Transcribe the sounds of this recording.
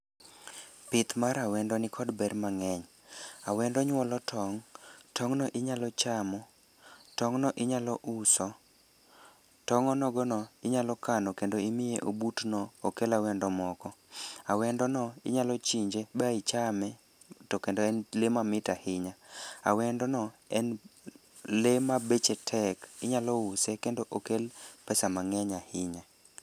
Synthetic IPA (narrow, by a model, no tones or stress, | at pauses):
pɪt̪maɾawɛndɔnɪkʰɔdbɛɾmaŋɛɲ | awɛndɔɲwɔlɔtʰɔŋtʰɔŋnɔʔɪɲalɔt͡ʃamɔ | tɔŋnɔʔɪɲalɔʔusɔ | tɔŋɔnɔɡɔnɔɪɲalɔkanɔkendoimɪjeʔobutnɔokelawɛndɔmɔkɔawɛndɔnɔɪɲalɔt͡ʃiɲd͡ʒebait͡ʃamɛ | tokendoɛnlemamɪtahɪɲaa̰wɛndɔnɔɛn | lemabet͡ʃetʰɛkɪɲalɔusekendoʔokelpɛsamaŋɛɲahɪɲa